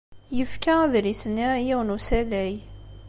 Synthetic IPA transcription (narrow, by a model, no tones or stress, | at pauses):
jəfkæðlisənːijiwənusælæj